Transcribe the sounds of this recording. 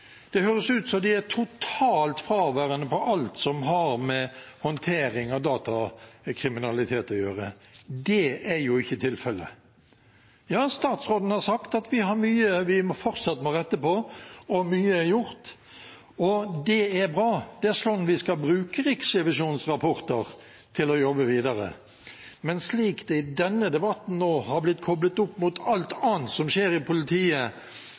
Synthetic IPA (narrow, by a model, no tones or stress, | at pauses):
d̪̥ɛhøːɾəsʉːt̪sɔd̪ɪæt̪ʰʊt̪ʰɑːlt̪fɾɑːʋæːɾənəpɔʔɑlt̪sɔmɦɑɾmɛhɔnt̪ʰeːɾɪŋɑd̪ɑːt̪ɑkʰɾɪmɪnɑlɪt̪ʰeːt̪ɔjøːɾə̰d̪ɛæɾjʊɪçːət̪ʰɪlfɛlːə̰ | jɑːst̪ɑːt̪sʁoːd̪n̩hɑɾsɑkt̪ɑt̪ʋɪɦɑɾmyːəʋɪmɔfɔɾt̪sɑt̪ːəmɔːʁɛt̪ːəpɔɔmyːəjʊɾt̪ | ɔd̪ɛæɾbɾɑːd̪̥ɛæɾslɔnʋɪskɑlbɾʉːkəʁɪksɛʋɪʂuːnsʁɑpʰɔɾt̪əʁ | t̪ʰɪlɔjɔbːəʋiːd̪ɑɾə̰ | mɛnsliːkd̪ɛɪd̪ɛnːəd̪ɛbɑt̪n̩noːhɑɾblɪt̪ːkʰɔblət̪ʊpːmʊt̪ʰɑlt̪ʰɑːnt̪sɔmʃeːɾɪpʰʊlɪt̪ʰiːə